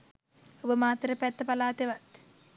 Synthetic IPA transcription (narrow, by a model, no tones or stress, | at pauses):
obəmaːt̪ɾɐpɛt̪ːɐpɐlaːt̪eʋɐt̪